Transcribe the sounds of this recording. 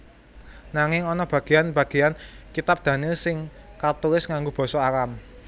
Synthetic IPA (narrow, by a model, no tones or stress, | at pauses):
naŋɪŋɔnɔb̥ä̤ɡ̥e̤janb̥ä̤ɡ̥e̤ankit̪ap̚d̪̥ä̤nisɪŋ | kart̪uɾɪsŋaŋɡob̥ɔ̤sɔakam